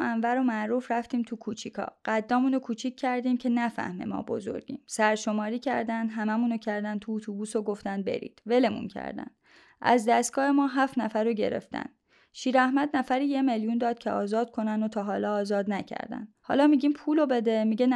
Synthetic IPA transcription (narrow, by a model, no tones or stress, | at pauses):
ænvæɾomæʔɾuːfɾæft̪iːmt̪ʰukʰuːt͡ʃʰikʰɒ̰ːɢ̥æd̪ːɒːmuːnokʰuːt͡ʃʰiːkʰːæɾd̪iːmcʰe̞næfæ̰hmḛmɒ̰ːbo̞̰zo̞̰ɾɟḭːmsæɾʃo̞mɒːɾiːcʰæ̰ɾd̪ænd̪ɦæmæmuːnocʰæɾd̪ænt̪ʰuːt̪ʰubuːsoɡo̞ft̪æn̚bḛɾḭːd̪̥ve̞le̞mṵncʰæ̰ɾd̪æ̰n | ʔæ̰zd̪æst̪̚ɡɒːhe̞mɒːɦæːfnæfæɾoɟe̞̰ɾḛft̪æ̰n | ʃiːɾæhmæd̪næfæɾiːje̞me̞ljund̪ɒːd̪̥̚cʰeɒːzɒːd̪̥̚kʰo̞nænd̪ot̪ʰɒːɦɒːlɒːzɒːd̪næcʰæ̰ɾd̪æ̰nhɒ̰ːlɒːmiɟiːmpʰuːlobe̞d̪emiɟen